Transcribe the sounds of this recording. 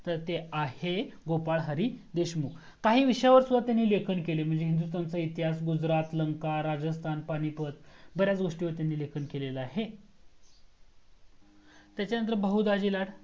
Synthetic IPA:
t̪əɾt̪eaheɡopaɭɦəɾiːd̪eɕmuk | kaɦiːʋiɕjaʋəɾsud̪ʱat̪janːiːlekʰəɳkelem̤əɳd͡zeɦind̪ust̪ant͡səit̪ɦasɡud͡zɾat̪ləŋkaɾad͡zəst̪ʰanpaɽ̃ipət̪̚bəɾjat͡sɡoʂʈiːʋəɾt̪janːiːlekʰəɳkeleləaɦe | t̪jat͡ɕanənt̪̬əɾbəɦud̪ad͡ʑilaɽ

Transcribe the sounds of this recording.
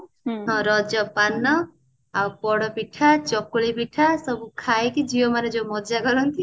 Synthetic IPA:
ɦɔ̃ɾɔd͡ʒɔpanːɔ | awpɔɽɔpiʈʰat͡ʃɔkuɭipiʈʰasɔbukʰaekid͡ʒiomaned͡ʒemɔd͡ʒaɡɔɾɔnt̪i

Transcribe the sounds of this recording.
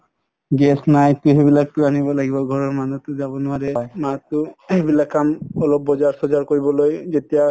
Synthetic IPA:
ɡɛsnajtuɦebilak̚tʊanibɔlaɡibɔɡʱɔɹɔɹmanutʊzabɔnʊaɹɛjmatʊebilakːamɔlɔb̚ːɔzaɹsɔzaɹkoɹibɔlojzetija

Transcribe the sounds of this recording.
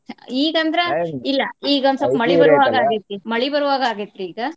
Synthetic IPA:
iːɡɐnd̪ɐɾeilːɐiːɡɐnsɐpːmɐɭibɐɾuʋaːɡaːɡit̪ːɾimɐɭibɐɾuʋaːɡaːɡit̪ːɾiiːɡɐ

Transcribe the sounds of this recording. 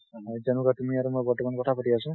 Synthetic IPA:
ajd͡ʒanukat̪umiaɾumojbɔɾtːɔmankɔtʰapatiasũ

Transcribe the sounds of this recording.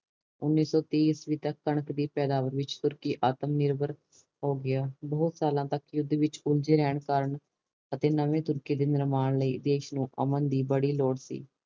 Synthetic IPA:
ʊnːiːsɔːt̪iːsʋiːt̪əkːəɳəkd̪iːpɛːd̪aːʋəɾʋɪt͡ʃt̪ʊɾkiːʔaːt̪əmnɪɾbəɾ | ɦoːɡɪaːbəʊt̪saːlãːt̪əkjʊd̪ʋɪt͡ʃʊld͡ʒeːɾɛːɳkəɾəɳ | ət̪eːnəʋẽːt̪ʊɾkiːd̪eːnɪɾmaːnləiːd̪eːʃnũːʔə̰mənd̪iːbəɽiːloːɽsḭː

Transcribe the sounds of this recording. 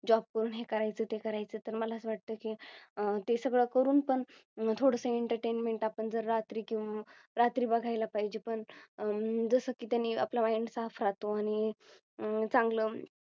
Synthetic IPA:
d͡ʑɔb̚kəɾuːnɦekəɾajt͡səːt̪ekəɾajt͡səːt̪əɾməlaəsəʋaʈ̚t̪əːkit̪esəɡɭəkəɾuːnpəɳt̪ʰoɽəsəeɳʈəɾʈenmeɳʈapəɳd͡zəɾɾat̪ɾiːkĩw̃ʋa | ɾat̪ɾiːbəɡʱajlapaɦid͡ʑepəɳ | d͡zəsəːkiːt̪janːiːa̰plaʋaiɳsafɾat̪oaɽ̃i | t͡sãŋɡləː

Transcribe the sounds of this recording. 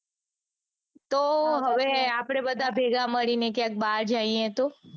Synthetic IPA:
t̪oɦəʋeapɽ̃ebəd̪ʱabʱeɡaməɭinekjãk̚baɾd͡ʒaiet̪o

